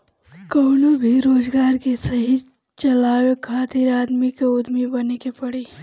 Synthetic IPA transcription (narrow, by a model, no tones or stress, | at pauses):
koːnobʱiɾoːd͡ʒɡaːɾkesəɦi | t͡ʃɐlaːwekʰaːt̪iɾaːd̪mikeʊd̪mibənekepɐɽiː